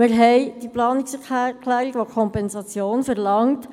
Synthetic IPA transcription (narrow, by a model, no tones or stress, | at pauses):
mɪɾɦɛjd̥iplɑːnikskʰlæːɾiɡ̥ʋokʰɔmpɛnsɑt͡sjoːnfɛʁlɑŋt